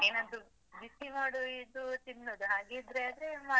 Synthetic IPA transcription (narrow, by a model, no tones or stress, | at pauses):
eːnod̪u | bisimaːɽuid̪ut̪inːoːd̪uɦaːɡid̪ɾeaːd̪ɾemaː